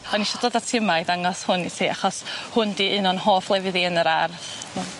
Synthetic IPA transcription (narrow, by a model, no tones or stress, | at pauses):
ɔniʃɔdoːðatʰɪəmajdaŋɔshʊnitʰiːaχɔshʊndiʔɨnɔnhoːflˠɛvɨðiənəɾarθ | nɔ